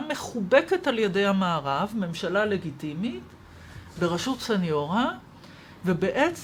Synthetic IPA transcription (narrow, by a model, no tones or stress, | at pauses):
me̞χube̞ke̞taljede̞jhamaːʁavme̞mʃalale̞ɡitimit | be̞ʁaʃutsenjo̞ʁa | vebe̞ʔet͡s